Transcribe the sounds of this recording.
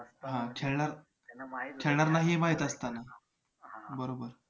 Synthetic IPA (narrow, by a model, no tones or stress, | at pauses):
ɦãkʰeɭɳaɾ | kʰeɭɳaɾnaɦiːmaɦit̪ast̪ana | bəɾobəɾ